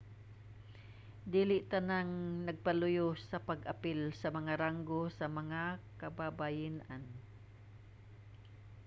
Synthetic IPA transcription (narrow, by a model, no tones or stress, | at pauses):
d̪iːlɪʔt̪anaŋnɐɡ̚palʊjosɐpaɡʔapɪlsɐmɐŋaɾaŋɡosɐmɐŋakababajɪnʔan